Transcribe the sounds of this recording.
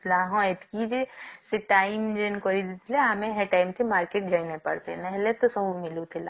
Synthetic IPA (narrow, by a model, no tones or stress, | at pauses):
laːɦõet̪kid͡ʒeseʈaimd͡ʒenkoɾid̪it̪ʰleɐmẽɦeʈaːɪmt̪emaːɾkeːʈ̚d͡ʒajnepɐ̰ɽt̪enɛɦlet̪osəbʱumɪlut̪ʰela